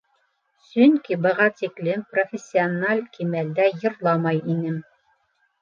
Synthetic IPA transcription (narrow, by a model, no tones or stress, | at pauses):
sɵŋkibɤ̆ʁɑt̪iklɘmprofʲesʲːionalʲkimæld̪æjɤ̆ɾlˠɑmɑjinɘm